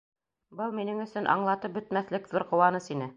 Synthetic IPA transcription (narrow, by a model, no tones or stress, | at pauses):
bɤlˠminɘŋɵ̆sɵnʔɑ̰ɴlˠɑt̪ɤp̚bɵ̆t̪̚mæθlɘkðuɾqŏwɑnɤsinɘ